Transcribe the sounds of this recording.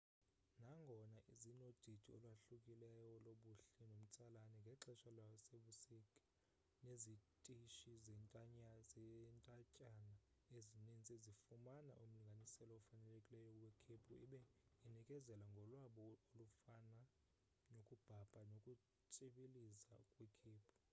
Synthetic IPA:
naŋɡʱɔnaʔizinod̥ʱitʰiɔlwaɬukʼilɛjɔloɓuɬɛnom̩t͡sʼalanɛŋɡʱɛǁɛʃalwaseɓusikʼḁ | nezitʼiʃizɛntʼaɲazɛntʼacʼanaezinint͡sʼezifumana̰ʔum̩liŋɡʱanisɛlɔɔfanɛlekʼilɛjɔwekʰipʰuḭɓɛinikʼɛzɛlaŋɡʱɔlwaɓɔolufana | nokʼub̥ʱab̥ʰʱʼanokʼu | t͡sʼiɓiliza̰kʼwikʰiːpʰu̥

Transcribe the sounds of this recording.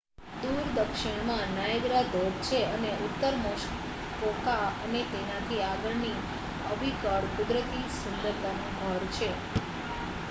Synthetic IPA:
d̪uɾd̪əkʃɪɳ̃mãnaeɡɾad̪od̪t͡ʃʰeəneut̪ːəɾmɔʃ | fokaənet̪enat̪ʰiaɡəɭni | əbʱikəɽkud̪ɾət̪isənd̪əɾd̪anobʱəɾt͡ʃʰe

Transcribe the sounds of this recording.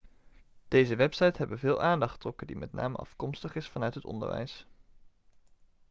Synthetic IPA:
d̥ejzəʋɛpsɑjtɦɛbənvɪːlˠʔaːndɑχtrɔkəndimʔɛtna̰ːməʔɑ̰fkɔmstəχɪsfɑnœɥtɦətɔ̰ndə̰ɹʋɛ̰js

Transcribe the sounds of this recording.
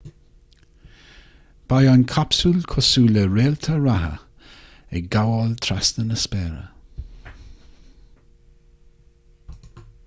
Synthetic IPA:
b̥ajɔnkʰapsulkʰɔsuːləɹeːlt̪ʰəɹaɦə̰ | ɛɡawɔlt̪ʰɾast̪ənəspɛːɾə̰

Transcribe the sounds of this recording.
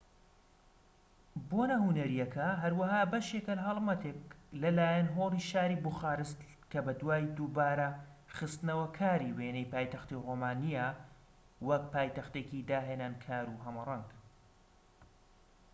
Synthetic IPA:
bonɐhunɐɾijɐkʰɐɦɐɾwɐɦaːbɐʃekɐlɐɦɐlˠmɐt̪eːklɐlaːjɐnɦoːlˠiʃaːɾiːbuxaːɾɨst̪ | kɐbɐd̪waːjd̪ubaːɾɐχɨst̪ɨnɐwɐkʰaːɾiweːnejpaːjt̪ɐxt̪iroːmaːnija | wɐk̚paːjt̪ɐxt̪eːkid̪aːɦeːnaːnkʰaːɾuːɦɐmɐrˤɑŋɡ

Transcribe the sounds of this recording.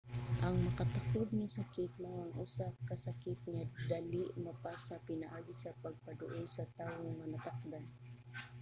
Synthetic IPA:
ʔɐŋmɐkat̪aklʊd̪̚nɪsakɪt̪̚mawaŋʔusakasakɪt̪̚ɲad̪aliʔmɐpasapɪnaʔaːɡɪsɐpɐɡ̚pad̪ʊʔɪjsɐt̪aːwoŋɐnɐt̪ak̚d̪an

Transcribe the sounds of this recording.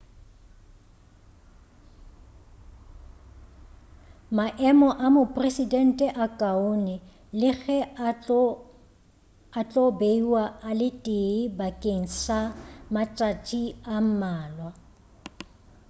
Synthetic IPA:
maʔɛmɔʔamʊpʼresidɛn̩tʼɛʔakʼaonɪ | lɪɣɛ | at͡ɬʼɔbeiwaalɪtʼeibakʼeŋ̩samat͡ʃʼatʼiam̩maːlwa

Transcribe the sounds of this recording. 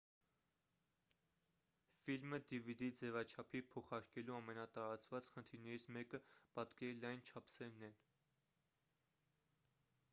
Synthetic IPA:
filməd̪ivid̪id͡zɛvɑt͡ʃʰɑpʰipʰɔχɑɾkɛluɑmɛnɑt̪ɑɾɑt͡svɑt͡sχənt̪ʰiɾnɛɾit͡sʰmɛkəpɑt̪kɛlɑjnt͡ʃʰɑpʰsɛɾnɛn

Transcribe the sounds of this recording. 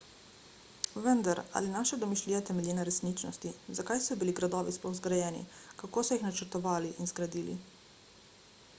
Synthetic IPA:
ʋənd̪aɾa̰linaʃɛd̪ɔmiʃliːɛt̪ɛmɛlʲjinaɾɛsnit͡ʃnɔ̰st̪izakajsɔbiliɡɾad̪ɔːʋispɔwzɡɾajɛːnḭkakoːsɔjixnat͡ʃəɾt̪ɔʋaːliʔinzɡɾad̪iːlḭ

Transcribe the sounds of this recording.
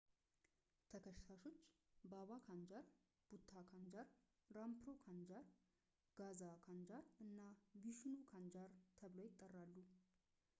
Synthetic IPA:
t̪ʰəkʰəʃt̪ʰaʃo̞t͡ʃːbaβakʰand͡ʒaɾ | b̥ut̪ʰːakʰand͡ʒaɾ | ɾampɾo̞kʰand͡ʒaɾ | ɡ̥azakʰand͡ʒaɾɨnːabiʃnukʰand͡ʒaɾt̪ʰəβlojɪt̪ʼːərːalːu

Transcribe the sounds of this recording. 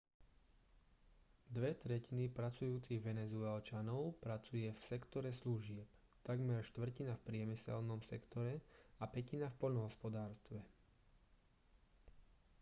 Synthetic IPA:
d̪ʋɛt̪ɾɛcinipɾat͡sujuːt͡siɣʋɛnɛzuɛlt͡ʃanɔʊpɾat͡sujɛfsɛkt̪ɔɾɛsluʒɪɛp | t̪aɡmɛɾʃt̪ʋr̩cinafpɾɪɛmisɛ̰lnɔmsɛ̰kt̪ɔɾɛapɛcinafpɔʎnɔɦɔspɔd̪aːɾst̪ʋɛ

